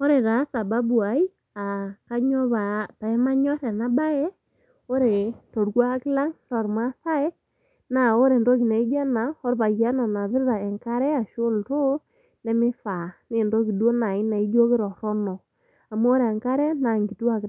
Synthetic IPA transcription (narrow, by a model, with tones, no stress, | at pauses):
o˦ɾe˨ta˨˦sa˨ba˦bu˨a˨˦i˦ | a˨ka˦ɲɔ˦βa˨ta˨ɛ˦ma˦ɲɔ˦ɾɛ˨na˦ba˦ɛ˦ | o˦ɾe˨tɔ˨ɾɡa˦kɪ˦la˦ŋlɔ˨ɾma˦sa˦ɛ˦ | na˨o˦ɾe˨ndɔ˦ki˨na˨i˦ɡa˦na˨ɔ˦ɾba˨ja˦nɔ˨na˨βɪ˦ɾɾa˨ɛ˨ŋka˦ɾɛ˦a˨ʃʊ˦ltʊ˦ | nɛ˦mɪ˦fa˨ne˨ndɔ˦ki˨do˦na˨ɪ˦na˨i˦d͡ʒo˦kɪ˦ɾɔ˨ɾɔ˦nɔ˨ | a˨mu˦o˦ɾe˨ɛ˨ŋka˦ɾɛ˦na˨ŋɡi˨tu˦a˦k